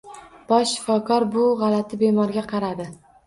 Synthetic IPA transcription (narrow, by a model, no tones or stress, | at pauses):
b̥ɒʃʃɪ̥fɒkʰɒɾbʊʁɑlat̪ʰɪbe̞mɒɾɡʲaqʰɑɾad̪ɪ